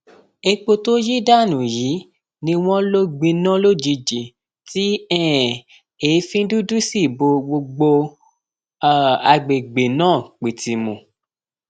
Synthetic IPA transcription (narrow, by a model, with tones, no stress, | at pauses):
e˧k͡po˧to˦ji˦da˦˨nũ˨ji˨˦ | nĩ˧w̃ɔ̃˦lo˦ɡ͡bĩ˧nã˦lo˦d͡ʒi˧˦d͡ʒi˨ | ti˦ɛ˦˨ | e˨˦fĩ˦du˦du˦si˦˨bo˧ɡ͡bo˧ɡ͡bo˧˦˨ | a˧ɡ͡be˨ɡ͡be˨nãː˦˨k͡pi˨ti˨mũ˨